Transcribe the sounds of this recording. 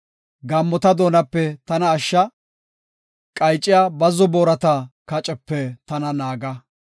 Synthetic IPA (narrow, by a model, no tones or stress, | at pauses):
ɡɐmːɔt̪ɐd̪o̞ːnɐpːɛt̪ɐnɐːʃːɐ | kʼɐjt͡ʃʼːɪjaːbɐzɔboːɾɐt̪ɐkɐt͡ʃʼɛpːɛt̪ɐnɐnaːɡɐ